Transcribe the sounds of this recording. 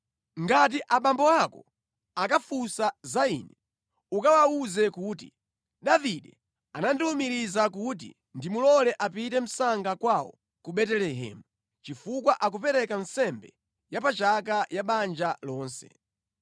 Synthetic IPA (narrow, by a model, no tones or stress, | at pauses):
ŋɡat̬iʔaɓambɔakɔ | akafusazaḭnɛ | ukawauzɛkuːti | ɗaviɗɛ | anandilumiɾizakut̬ḭ | ndimulɔlɛʔapitɛm̩saŋɡakwawɔ̰ | kuɓɛtɛlɛɦɛ̰ːmu | t͡ʃifukwaʔak̬upɛɾɛkansɛmbɛ | japat͡ʃakajaɓand͡ʒalɔːnsɛ̰